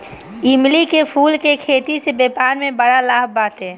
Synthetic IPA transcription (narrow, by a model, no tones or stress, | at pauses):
ɪmlikepʰuːlkekʰeːt̪isebeːpaːnmẽbəɽalaːbaːt̪ɦɛ̃ː